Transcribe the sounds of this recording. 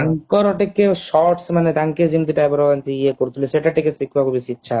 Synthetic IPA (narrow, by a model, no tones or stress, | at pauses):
aŋkɔɾɔʈekːeʃɔɾʈsmaned̪aŋked͡ʑint̪iʈaɛbaɾɔant̪eiekoɾt̪ʰileʃeʈaʈikesikʰbakubisitːɕʰa